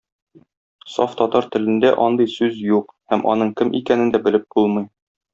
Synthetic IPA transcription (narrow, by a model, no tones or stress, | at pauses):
soft̪ɒt̪ɑɾt̪ɘ̆lɘ̆nd̪æʔɒnd̪ɤjsʉzjuqhæmʔɒ̰nɤɴkɘmʔḭkænɘ̆nd̪æbɘ̆lɘp̚bulˠmɤj